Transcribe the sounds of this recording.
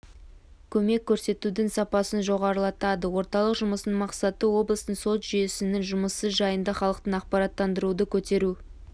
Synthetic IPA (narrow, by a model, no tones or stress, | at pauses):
kʲʰɵme̞kʲʰːɵɾse̞t̪ud̪ɪŋsɑpɑsənʒo̞ʁɑɾəlˠɑt̪ɑd̪əwo̞ɾt̪ɑlˠəqʒʊməsənmɑqsɑt̪əwo̞blˠəst̪əɴsot̪ʒ̥ʏjesɪnɪŋʒʊməsəʒɑjənd̪ɑχɑlˠəqt̪ənɑq̚pɑɾɑt̪ːɑnd̪əɾud̪əkʲʰɵt̪e̞ɾu